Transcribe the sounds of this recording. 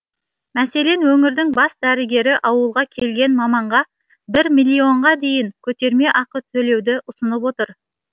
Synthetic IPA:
mæse̞le̞nwɵŋɪɾd̪ɪŋbɑsd̪æɾɪɡʲe̞ɾɪʔɑwəlˠʁɑkʲʰe̞lɡʲe̞nmɑmɑɴʁɑ | bɪɾmilʲːio̞ɴʁɑd̪e̞jɪŋkʲʰɵt̪e̞ɾme̞ʔɑqət̪ʰɵle̞wd̪ɪʔʊsənəp̬wot̪əɾ

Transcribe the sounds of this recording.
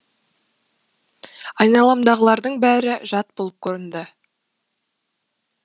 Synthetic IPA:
ɑjnɑlˠɑmd̪ɑʁəlˠɑɾd̪əɴbæɾɪʒɑt̪̚bolˠəp̚kʲʰɵɾənd̪ə

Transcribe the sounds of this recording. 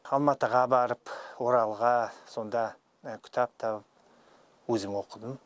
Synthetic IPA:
ɑlˠmɑt̪əʁɑbɑɾəpwo̞ɾɑlˠʁɑso̞nd̪ɑ | kʲʰʏ̥t̪ʰɑp̚t̪ʰɑp | wɵzɪmwo̞qəd̪əm

